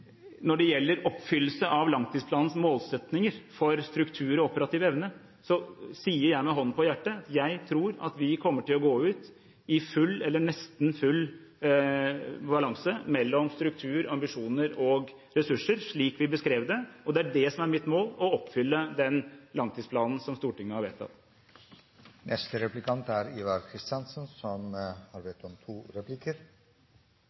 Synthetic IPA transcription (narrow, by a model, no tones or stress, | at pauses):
nɔɖɛjɛlːəɾɔpːfʏlːəsəʔɑʋlɑŋt̪iːspʰlɑːnn̩smoːlsɛt̪nɪŋəɾfɔɾst̪ɾʉkt̪ʰʉːɾɔɔpəɾɑt̪iːʋɛʋnə | sɔsiːəɾjæɪmɛɦɔnːpʰɔjæʈːəɑt̪jæɪt̪ʰɾuːɾɑ̰t̪ʋɪkʰɔmːəʈɪlɔɡoːʉːt̪ | ɪfʉlːɛlːəɳɛst̪nfʉlː | bɑlɑŋsəmɛlːɔmst̪ɾʉk̚t̪ʰʉːɾɑmbɪʂuːnəɾɔɡ | ɾɛsʉʂːəɾʂɭiːkʋɪbəskɾeːʋd̪ɛɔd̪ɛæɖɛsɔmæɾmɪt̪moːlɔɔpːfʏlːəd̪ɛnlɑŋt̪ʰiːspʰlɑːnn̩sɔmst̪uːʈɪŋːəhɑɾʋḛːt̪ʰɑ̰t̪ | nɛst̪əɾɛplɪkʰɑnt̪æɾiʋɑɾkʰɾɪst̪ɑnsənsɔmhɑɾʋeːt̪ɔmt̪ʰuːɾɛplikəɾ